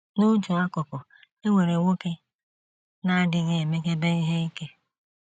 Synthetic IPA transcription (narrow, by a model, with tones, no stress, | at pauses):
nu˦d͡ʒu˨a˦kʊ˨kʊ˨ | e˦ŋʷe˨ɾe˨wo˦ke˦ | na˦a˦dɪ˨ɣe˦e˨me˦ke˦be˦i˦ɦe˦i˦ke˦